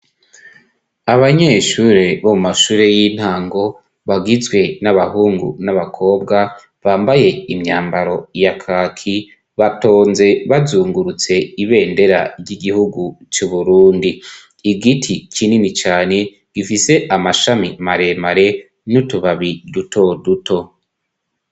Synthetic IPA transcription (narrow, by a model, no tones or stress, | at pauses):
aβaɲe̞ːʃuːɾeβomumaʃuːɾe̞jin̥haːŋɡo̞ | βaɡizɡwe̞naβahuːŋɡṵnaβakʰo̞ːb̚ɡa | βaːmbaje̞imɲaːmbaɾo̞jakʰaːkʰi | βato̞ːnze̞βazuːŋɡuɾut͡se̞iβe̞ːnde̞ɾa̰ɾɟiɡihuɡut͡ʃuβuɾuːndiː | ɡitʰikinimit͡ʃaːne̞ | ɡ̥ifise̞ʔamaʃamimaɾe̞maɾe̞ | nutuβaβiduto̞duto̞